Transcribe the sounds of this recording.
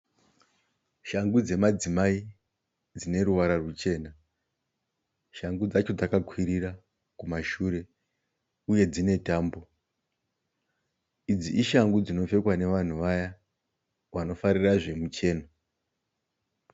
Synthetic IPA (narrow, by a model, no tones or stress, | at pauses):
ʃaŋɡud͡ze̞mad͡zimai | d͡zine̞ɾuʋaɾarut͡ʃe̞ːna | ʃaŋɡud͡zat͡ʃo̞d͡zakakʰwiɾira | kumaʃuɾe̞ | uje̞d͡zine̞taːmbo̞ | id͡ziʔiʃaŋɡud͡zino̞fe̞kwane̞ʋan̤uʋaja | ʋano̞faɾiraʐe̞mut͡ʃe̞ːna